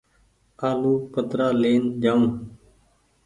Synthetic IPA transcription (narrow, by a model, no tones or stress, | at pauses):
aːluːpət̪ɾaːleːnd͡ʒãː